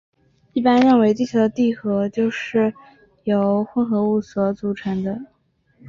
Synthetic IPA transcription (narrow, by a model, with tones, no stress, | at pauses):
i˥˩pa˥nɻə˥˩nwe˧˥ɪt̪i˥˩t͡ɕʰjɑ˧˥ʊd̪ə˧t̪i˥˩xɤ˧˥t͡ɕjo˥˧ʊʂɻ̩˥˩ | jo˨˧˩ʊxwə˥nxɤ˧˥u˥˩swɔ˧˥t͡su˧˥ʈ͡ʂʰə˧˥ŋd̪ə˧